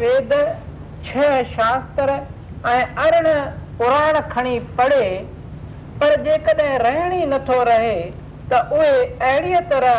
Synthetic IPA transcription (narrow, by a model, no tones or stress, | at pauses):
ʋeːd̪ | t͡ɕʰɐɦʃaːst̪əɾ | ɛ̃ːɐɾəɽ̃ʊ̆pʊɾaːɾɽ̃̆kʰɐɽ̃ipɐɽe | pɐɾd͡ʑeːkəɗɦɪ̃ɾɐɦɪɽ̃inɐt̪ʰoɾɐɦe | t̪ɐʔʊɦeɐɦɪɽiːət̪ɐɾə